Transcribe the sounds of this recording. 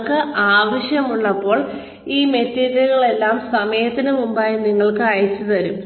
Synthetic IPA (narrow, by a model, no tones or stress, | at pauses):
kɨʔaːʋɐɕjɐmuɭːɐpːo̞ːɭ | iːme̞tːeːɾiɣɐɭe̞lːaːmsɐmɐjɐt̪ːinɨmumbaːjiniŋːɐɭkɨɐjit͡ɕːut̪ɐɾum